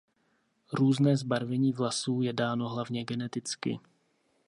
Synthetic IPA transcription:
ɾuːznɛːzbaɾvɛɲiːvlasuːjɛdaːno̞ɦlavɲɛɡɛnɛt̪ɪt͡skɪ̰

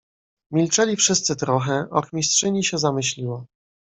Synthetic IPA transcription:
mʲilt͡ʂɛlʲifʂɘst̪sɘt̪ɾɔxɛɔxmʲistʂɘɲiɕɛzamɘɕlʲiwɔ

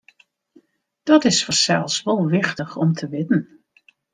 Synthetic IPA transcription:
d̥ɔtɪsfəsɛlˠsʋolˠʋɪxtəxɔmtʰəʋɪtn̩

